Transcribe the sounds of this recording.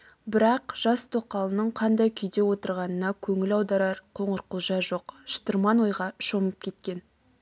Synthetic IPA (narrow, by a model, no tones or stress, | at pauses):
bɪɾɑqʒ̥ɑst̪ʰoqɑlˠənəɴqʰɑnd̪ɑjkʲʰʏjd̪e̞wo̞t̪əɾʁɑnənɑkʲʰɵŋɪlɑwd̪ɑɾɑɾqʰo̞ɴəɾqəlˠʒɑʒo̞qʃə̥t̪əɾmɑnwo̞jʁɑʃo̞məp̚kʲʰe̞t̪kʲe̞n